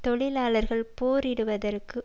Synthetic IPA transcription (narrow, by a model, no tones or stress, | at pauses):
t̪ɔɭɪlaːɭɐɾɣɐɭpoːɾɪɽɯʋɐðɐrkɯ